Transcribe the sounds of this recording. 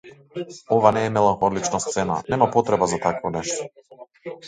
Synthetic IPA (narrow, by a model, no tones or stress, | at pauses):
ɔvanɛːmɛlˠanxɔlit͡ʃnast̪sɛna̰nɛmapɔt̪ɾɛbazat̪akvɔnɛʃt̪ɔ̥